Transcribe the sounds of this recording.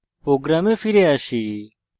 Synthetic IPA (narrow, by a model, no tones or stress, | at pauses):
pɾoːɡɾaːmeːfʰiɾeːaʃiː